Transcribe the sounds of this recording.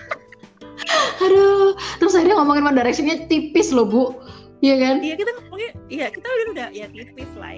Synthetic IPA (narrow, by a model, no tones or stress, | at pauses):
adot̪əɾʊsaiɾɲaŋɔmɔŋɪnmandaɾɛksɪnɲat̪ipɪslobʊʔ | jakanjjakit̪aŋɛjakit̪auiudajat̪ipɪsla̰ɪ̰